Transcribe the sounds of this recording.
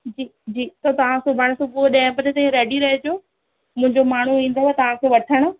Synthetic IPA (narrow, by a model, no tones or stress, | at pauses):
d͡ʑiːd͡ʑiːt̪ɐt̪ɐʋ̤ãsʊbʱaːɽ̃sʊbʊɗɐ̃ɦɪ̃pɐd͡ʑet̪ɐ̃ĩɾeːɖiɾɐɦed͡ʑoː | mʊ̃ɦɪ̃ɲd͡ʑomaːɳ̤uĩːn̆d̪ot̪ɐʋ̤ãkʰeːʋɐʈʰəɽ̃ʊ